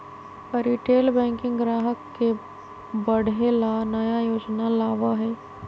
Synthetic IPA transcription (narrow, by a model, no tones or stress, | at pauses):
ɾiːʈeːlbɛ̃ːŋkɪ̃ŋɡɾaːɦəkːe | bəɽʱelanəjajoːd͡ʒnalaːʋaɦɛː